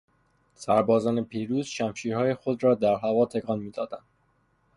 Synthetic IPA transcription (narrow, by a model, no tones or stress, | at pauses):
sæɾbɒːzɒːnepʰiːɾuːz̥ʃæmʃiːɾhɒːjexod̪ɾɒːd̪æɾɦævɒːt̪ʰeɡɒːnmiːd̪ɒːd̪ænd̪̥